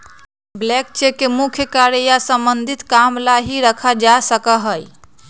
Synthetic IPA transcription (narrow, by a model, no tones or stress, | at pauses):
blɛk̚t͡ʃekemukʰjəkaɾjasəmbənd̪ʱit̪kamlaɦiɾəkʰad͡ʒasəkəɦəj